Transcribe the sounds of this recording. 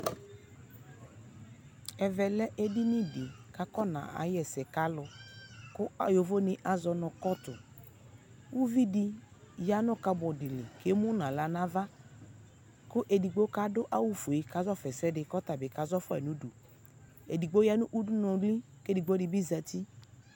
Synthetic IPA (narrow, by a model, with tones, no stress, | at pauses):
ɛ˨vɛ˨lɛ˦ʔe˦di˦ni˦di˨ka˦kɔ˦nã̰˨a̰˨jɛ˨sɛ˨ka˦lʊ˨kʊ˦a˨jo˨vo˦nɪ˨ʔa˨zɔ˨nɔ˨kɔ˦tʊ˨ | u˦vi˦di˦ | ja˦nʊ˦ka˨˦bɔ˨dɪ˨lɪ˨ke˦mʊ˦nã˨la˨na˦va˦ | kʊ˦ʔe˨di˨ɡ͡bo˦ka˦dʊ˦ʔa˦wu˦fo˨i˨ka˨˦zɔ˦fɛ˨sɛ˦dɪ˨kɔ˦ta˨bɪ˨ka˨zɔ˦fɔ˦ɛ̰˨nu˨du˨ | e˨di˨ɡ͡bo˦ja˦nʊ˦ʔu˦du˦nɔ˨˦li˦ | ke˦di˨ɡ͡bo˦ɪ˨bi˦za˨ti˦